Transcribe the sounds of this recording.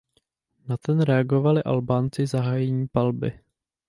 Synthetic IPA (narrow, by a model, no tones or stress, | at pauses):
nat̪ɛnɾɛaɡo̞valɪʔa̰lbaːnt͡sɪzaɦaːjɛɲiːpalbɪ̰